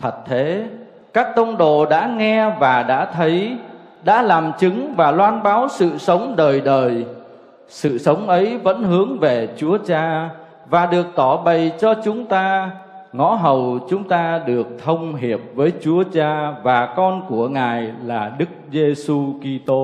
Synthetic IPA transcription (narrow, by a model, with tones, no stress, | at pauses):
t̪ʰə˨˩t̚t̪ʰe˨˦ | kaː˦˥k̚t̪ə˧wŋ͡mɗo̰˧˨ɗa̰ː˧˥ŋɛ˧vaː˨˩ɗa̰ː˧˥t̪ʰə˨˦j | ɗa̰ː˧˥laː˨˩mt͡ɕɨ˨˦ŋvaː˨˩lwaː˧nɓaː˨˦wsɨ̰˧˨sə˨˦wŋ͡mɗəː˨˩jɗəː˨˩j | sɨ̰˧˨sə˨˦wŋ͡mʔə˨˦jvə̰˧˥nɦɨ˨˦əŋve˨˩t͡ɕu˨˦ət͡ɕaː˧ | vaː˨˩ɗɨ˨˩ək̚t̪ɔ˧˩ɓə˨˩jt͡ɕɔ˧t͡ɕʊ˨˦ŋ͡mt̪aː˧ŋɔ̰˧˥ɦə˨˩wt͡ɕʊ˨˦ŋ͡mt̪aː˧ɗɨ˨˩ək̚t̪ʰə˧wŋ͡mɦi˨˩əp̚vəː˨˦jt͡ɕu˨˦ət͡ɕaː˧vaː˨˩kɔ˧nku˧˩əŋaː˨˩jlaː˨˩ɗɨ˦˥k̚ze˧su˧ki˧t̪o˧